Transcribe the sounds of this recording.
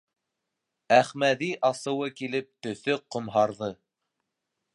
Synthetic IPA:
æχmæðiʔɑsɤ̆wɤkilɘp̚t̪ɵ̆θɵqŏmɦɑɾðɤ

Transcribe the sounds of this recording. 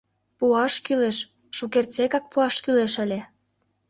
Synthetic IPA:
puɑʃkyleʃ | ʃukert͡sekɑk̚puɑʃkyleʃəlʲe

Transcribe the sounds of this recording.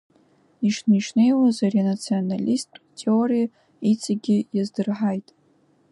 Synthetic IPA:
iʂniʂnejwozaranat͡sʰionalʲistʰʼtʲʰeoɾʲij | it͡sʰʼaɡʲɪjazdɨrħajtʼ

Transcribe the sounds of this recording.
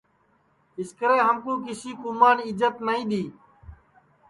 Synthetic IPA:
ɪskəɾeːɦəmkũːkɪsiːkʊmaːnɪd͡ʒət̪nəĩːɗ̪iː

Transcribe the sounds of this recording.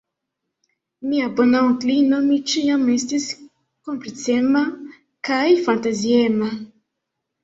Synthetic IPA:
miabɔnãklinɔmit͡ʃijãmɛst̪is | kɔ̃mplit̪t͡sɛma | kajfãnt̪aziɛma

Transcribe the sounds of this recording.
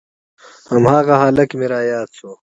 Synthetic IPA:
hɐmhaːɣɐɦaːlɐkmiɾaːjaːt̪sʰoː

